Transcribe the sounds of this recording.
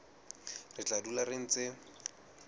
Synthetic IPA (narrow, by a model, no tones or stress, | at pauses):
rɪt͡ɬadularɪn̩t͡sɪ